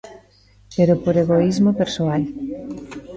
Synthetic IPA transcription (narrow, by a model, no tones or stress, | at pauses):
peɾopoɾeɣoizmopeɾsoal